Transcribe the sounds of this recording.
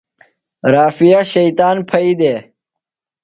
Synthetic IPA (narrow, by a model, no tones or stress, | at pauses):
ɾaːfijaɕɐjt̪aːnpʰɐid̪eː